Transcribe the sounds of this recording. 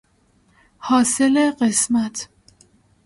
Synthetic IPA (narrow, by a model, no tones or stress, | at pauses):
hɒːseleɢesmæt̪ʰ